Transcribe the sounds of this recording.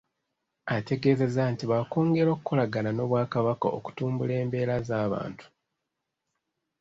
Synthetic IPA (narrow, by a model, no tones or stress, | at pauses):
ate̞ɡe̞ːze̞zaːntiβako̞ːŋɡe̞ɾokukʰo̞laɡanano̞βwaːkaβakao̰ku̥tuːmbule̞ːmbe̞ːɾazaːβa̰ːntu̥